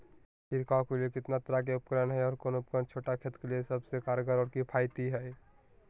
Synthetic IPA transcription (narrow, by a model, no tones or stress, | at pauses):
pɪɾkãːkeliekɪt̪nat̪əɾakeʊp̚kɾənɦɛɔːɾkoːnʊp̚kɾənt͡ʃʰoːʈakʰet̪keliesəbsekaːɾɡəɾɔːɾkipʰaːɪt̪iɦɛ